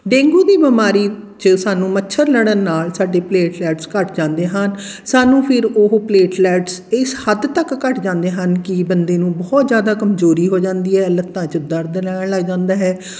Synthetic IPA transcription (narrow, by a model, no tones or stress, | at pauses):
ɖẽːŋɡuːd̪iːbəmaːɾiːt͡ʃəsaːnũːmətːʃʰəɾləɽ̃ənːaːlsaːɖeːpleːʈlɛːʈskəʈd͡ʒãːnd̪eːɦənsaːnũːpʰɪɾoɦpleːʈlɛːʈsɪshəd̪t̪əkːəʈd͡ʒãːnd̪eːɦənkɪbənd̪eːnũːbɔːt̪zjaːd̪aːkəmzoːɾiːɦoːd͡ʒãːnd̪iːɦɛːlət̪ːãːt͡ʃəd̪əɾd̪əlɛːɳləɡd͡ʒãːnd̪aːɦɛː